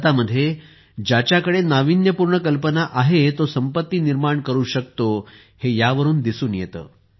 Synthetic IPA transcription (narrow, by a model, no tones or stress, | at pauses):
t̪aməd̪ʱːje | d͡ʑjat͡ɕjakəɽenaʋinjəpuɾɳəkəlpənaʔaɦet̪osəmpət̪ːiːniɾmaɳkəɾuːɕək̚t̪o | hejaʋəɾuːnd̪isuːnjet̪ə̰ː